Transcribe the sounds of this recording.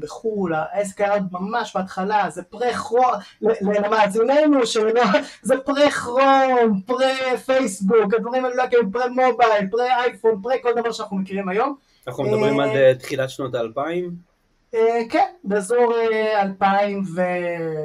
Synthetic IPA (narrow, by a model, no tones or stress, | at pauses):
beχulaʔeskaod̪̚mamaʃbaːt̪χalazepʁeχʁolelelemaːzine̞jnuʃellozepʁeχʁonpʁefejsbukad̪vaʁimallokiʁimpʁemobajlpʁeajfonpʁeko̞ld̪avaʁʃanaχnumekiʁimajo̞m | naχumed̪abʁimalet̪χilatʃnot̪aːlpaim | ekenbezoʁealpaimve